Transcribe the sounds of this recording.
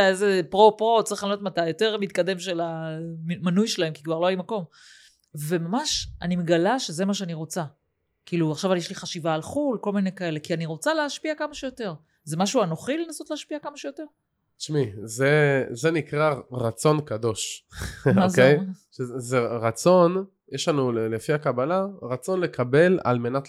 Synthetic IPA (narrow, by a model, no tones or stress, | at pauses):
aeze̞pʁo̞pʁo̞t͡saʁiχlanot̪matajo̞te̞ʁmit̪̚kade̞mʃe̞lammanujʃelae̞mkikvaʁlo̞ajimako̞m | ve̞mamaʃanimeɡalaʃeze̞maʃ̬eaniʁo̞t͡sa | kiːluaχʃavaljeʃliχaʃivaːlχulko̞lmine̞jkae̞le̞kianiʁo̞t͡saleaʃpiakamaʃejote̞ʁ | zemaʃuanoχile̞naso̞tleːʃpiakamaʃejote̞ʁ | ʃmizezenikʁaʁat͡so̞nkad̪o̞ʃ | mozkejʃezeʁat͡so̞n | jeʃlanullefiakabalaʁat͡so̞nle̞kʰabe̞la̰lme̞nat